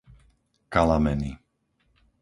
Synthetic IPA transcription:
kalamɛni

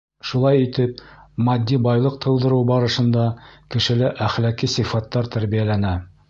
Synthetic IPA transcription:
ʃulˠɑjit̪ɘp̚mɑd̪ʲːibɑjlˠɤq̚t̪ʰɤ̆w̪ˠd̪ɤ̆ɾɤwbɑɾɤ̆ʃɤ̆nd̪ɑkɘ̆ʃɘ̆lɘʔæχlækisifɑt̪ːɑɾt̪æɾβijælænæ

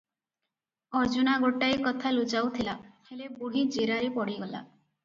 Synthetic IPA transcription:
ɔɾd͡ʒunaɡoʈːajkɔt̪ʰalut͡ʃawt̪ʰilahelebuɽid͡ʒeɾaɾipɔɽiɡɔla̰

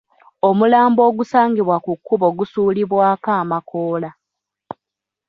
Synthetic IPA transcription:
o̞mulaːmbo̞ːɡusaːŋɡiβwakukːuβo̞ɡusuːliβwaːkaːmakoːla

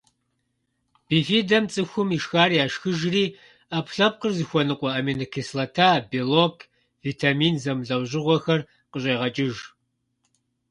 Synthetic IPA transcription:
b̥iːfiːdɐmt͡sʼɨxʷʊmiʃxaːrjaːʃxɨʒriː | apʰɬɐp̚qərzɨxʷɔnɨqʷɔɐminɨkʰeslɐtʰaːbilokʰ | viːtʰaːmiːnzɐmɮɐwʑɪʁʷɔxɐr | qəɕʼeːʁɐt͡ʃʼɪʒ

